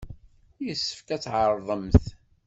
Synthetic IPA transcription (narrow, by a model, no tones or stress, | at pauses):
jəsːə̥fkæt͡sːʕəɾˤðˤəmθ